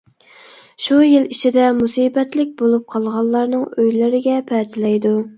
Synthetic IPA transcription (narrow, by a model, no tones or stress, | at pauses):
ʃujɪlit͡ʃʰid̪ɛmusiːbɛt̪lɪk̚ʲbolˠup̚qʰɑlˠʁɑlˠːɑɾnɨŋøjlɪɾɪɡʲɛpʰɛt̪ʰɪlɛjd̪u